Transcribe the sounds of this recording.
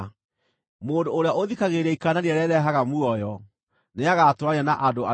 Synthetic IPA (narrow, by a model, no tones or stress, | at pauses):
moːndoːɾeaʔoðikaɣeɾaikanaɾiaɾɛðɛɦaɣamuɔjɔ | neaɣatwaɾanaʔadoa